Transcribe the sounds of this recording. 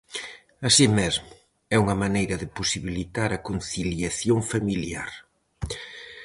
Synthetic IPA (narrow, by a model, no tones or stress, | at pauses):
ɐsimezmʊ | ɛuŋɐmanejɾɐðɪposiβilit̪aɾɐkon̟θiljaθjoŋfamiljaɾ